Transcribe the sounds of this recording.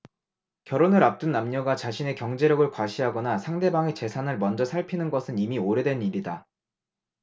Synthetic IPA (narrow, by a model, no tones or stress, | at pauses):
kjʌɾonɯɾap̚t͈ɯnːamɲʌɡat͡ɕaɕʰine̞kjʌŋd͡ʑe̞ɾjʌɡɯɭkwaɕʰiɦaɡʌnasʰaŋde̞baŋe̞t͡ɕe̞sʰanɯɭmʌnd͡ʑʌsʰaɭpʰinɯnɡʌsʰɯnimioɾjʌdwe̞niɾida